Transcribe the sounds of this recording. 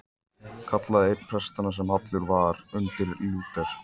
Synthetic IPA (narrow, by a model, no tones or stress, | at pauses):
kʰat̪laðejɾpʰɾɛst̪anas̬ɛmhat̪lʏɾvaːɾʏnt̪ɪɾluːt̪ɛɾ̥